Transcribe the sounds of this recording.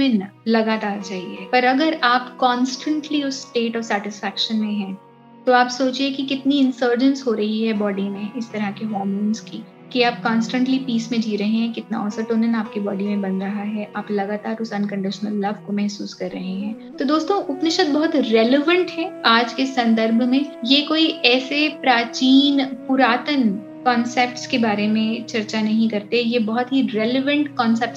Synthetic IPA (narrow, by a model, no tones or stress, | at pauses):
ɪnlɐɡaːt̪aːɾt͡ʃaːɦiɦɛːpɐɾɐɡəɾaːpkɔ̃ːnsʈə̃ɳʈliʊsːʈeːʈɔːɾsɛːʈɪsfɛːkʃənmẽɦɛ̃ː | t̪oaːpsoːt͡ʃiekikɪt̪niɪ̃nsəːɾd͡ʒə̃nsɦoːɾɐɦiɦɛbɔːɖinẽʔɪst̪ɐɾakeɦɔːmoːnski | kiaːp̚kɔːnsʈə̃ɳʈlipiːsmẽd͡ʒiːɾɐɦẽɦɛ̃kɪt̪na̰ɔːsɐʈoːnənaːp̚kibɔːɖimẽbɐnɾɐɦaɦɛʔaːplɐɡaːt̪aːɾʊsɐ̃nkɐ̃ɳɖɪʃənəlːɐʋkomɛɦsuːskɐɾːɐɦeɦɛ̃ː | t̪od̪oːst̪õʔʊpnɪʃət̪̚bɐɦʊt̪ɾɛːleʋə̃ɳʈɦɛaːd͡ʒkesɐ̃nd̪əɾbʱmẽjekoːiɛːsepɾaːt͡ʃiːnpʊɾaːt̪ən | kɔːnsɛːp̚ʈskebaːɾemẽt͡ʃɐɾt͡ʃanɐɦĩkɐɾt̪eɦɛjebɐɦʊt̪ɦiɾɛːleʋə̃ɳʈkɔːnsɛːpʈs